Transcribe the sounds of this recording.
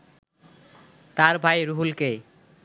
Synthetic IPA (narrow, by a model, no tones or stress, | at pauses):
t̪aɾbʱajɾuɦulke